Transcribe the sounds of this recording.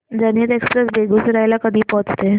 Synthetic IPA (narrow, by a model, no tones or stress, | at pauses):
d͡zənət̪ekspɾesbʱeɡʱut͡sɾajlakəd̪ʱiːpɔɦt͡st̪e